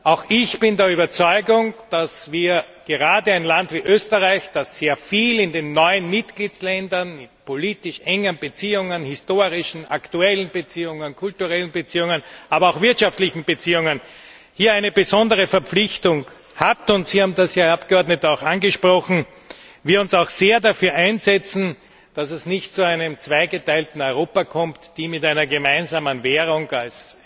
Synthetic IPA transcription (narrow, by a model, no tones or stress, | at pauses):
ʔaʊxɪçb̥ɪndɛɐyːbɐt͡sɔʏɡʊŋd̥asviːɐ | ɡ̥eʁaːdəæɪnlantviːʔøːstəʁaɪçd̥asːeːɐfiːlɪndenːɔʏənmɪtɡ̥liːt͡slɛndɐnmɪtpʰoliːtɪʃʔɛŋənbət͡siːʊŋənhɪstoːʁɪʃn̩aktuɛlən̩bət͡siːʊŋənkʰʊltuʁɛlən̩bət͡siːʊŋənʔaːbɐaʊxvɪɐtʃaftlɪçn̩b̥ət͡siːʊŋən | hiːɐæɪnəbəzɔndəʁ̞əfɛɐpp͡flɪçtʊŋ | hatʊntsiːhaːbm̩dasjaːapɡ̥əɔɐdnətaʊxanɡəʃpʁ̥ɔxn̩ | viːɐʊnsaʊxz̥eːɐdafyːɐʔæɪnzɛt͡sn̩ | d̥asɛsnɪçtt͡suæɪnəmt͡sv̥aɪɡətaɪltn̩ɔʏʁoːpakʰɔmtd̥iːmɪtaɪnɐɡəmaɪnzaːmənveːʁʊŋals